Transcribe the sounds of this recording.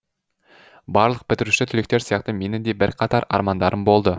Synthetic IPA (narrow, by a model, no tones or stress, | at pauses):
bɑɾlˠəq̚pʰɪt̪ɪɾuʃɪt̪ʰʏlek̚t̪e̞ɾsijɑqt̪əme̞nɪd̪e̞bɪɾqʰɑt̪ɑɾɑ̰ɾmɑnd̪ɑɾəmbo̞lˠd̪ə